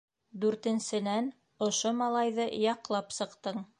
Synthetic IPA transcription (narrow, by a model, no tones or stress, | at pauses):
d̪ʉɾt̪ɘ̆nsɘ̆næn | ŏʃomɑlˠɑjðɤjɑqlˠɑpsɤ̆qt̪ɤɴ